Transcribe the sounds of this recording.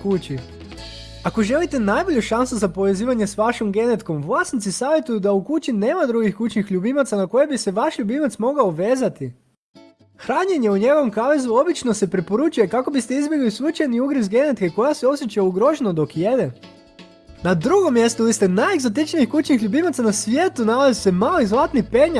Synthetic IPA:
kut͡ɕi | ako̞ʒe̞lit̪e̞najbo̞ʎuʃansuzapo̞ʋe̞ziːʋaɲe̞sʋaʃo̞mɡe̞net̪ko̞mʋlˠasnit̪sisaːʋʲje̞t̪ujud̪aukut͡ʃine̞ːmad̪ɾuɡixkut͡ʃnixʎubimat̪sanako̞je̞bise̞ʋaʃʎubimat̪smo̞ɡaoʋe̞ːzat̪i | xɾaːɲeɲe̞uɲe̞ɡo̞ʋomkaʋezuo̞bit͡ʃnose̞pɾepo̞ɾut͡ʃuje̞kako̞bist̪eizbje̞ɡlisut͡ʃajniuɡɾizɡe̞ne̞t̪keko̞jaseo̞sjet͡ʃauɡɾo̞ʒenod̪o̞kjed̪e | nad̪ɾuɡo̞mjest̪ouʋist̪e̞najeɡzot̪̬it͡ʃniixkut͡ʃnixʎubimat̪sanasʋjeːt̪unalazise̞malizlˠat̪nipeɲa

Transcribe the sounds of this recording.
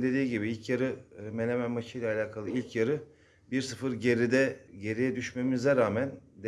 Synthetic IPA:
d̪e̞d̪iːɟibiilʲcʰjaɾɯmelʲemænmat͡ʃʰɯjlʲalʲaːkʰalˠɯilʲcʰjaɾɯ | biɾsɯfɯɾɟeɾid̪ɛɟe̞ɾijɛd̪yʃme̞mizɛɾaːmænd̪

